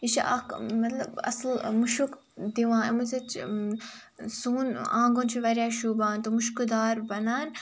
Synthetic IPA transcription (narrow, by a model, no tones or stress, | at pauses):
it͡ʃiʔa̰kmɐt̪lɐbɐ̰slmuʃuk | d̪iʋãːemɐzɐt͡ʃ | suːnãːŋɡõːnt͡ʃʰiʋɐɾʲjaːʃuːbaːnt̪omuʃkud̪aːɾbɐnaːn